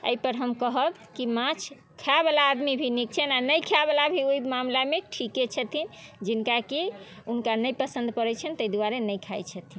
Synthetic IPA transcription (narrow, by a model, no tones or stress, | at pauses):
ə̰ipəɾɦəmkəɦəb | kimãt͡ʃʰ | kʰabelaːd̪mibʱinik̚t͡ʃʰənanəjkʰabelabʱiojmamlameʈʰiket͡ʃʰət̪ʰind͡ʒinkakiunkanəjpəsə̃nd̪ʱpəɾɛt͡ʃʰənt̪əjd̪uwaɾenəjkʰajt͡ʃʰət̪ʰin